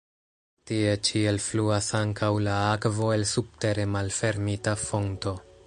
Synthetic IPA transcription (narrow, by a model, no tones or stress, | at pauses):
tie̞t͡ʃie̞lfluasaŋkʰawlaakvo̞e̞lsub̚te̞ɾe̞malfe̞ɾmitafo̞nto̞